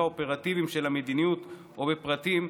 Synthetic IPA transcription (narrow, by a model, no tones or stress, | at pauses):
aopeʁat̪ivimʃe̞lamed̪inijut̪ | ʔobepʁat̪im